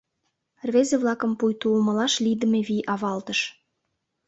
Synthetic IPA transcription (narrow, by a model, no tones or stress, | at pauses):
rvezeβlɑkə̆mpujt̪ulmə̆lɑʃlid̪ə̆meβiʔɑβɑlt̪əʃ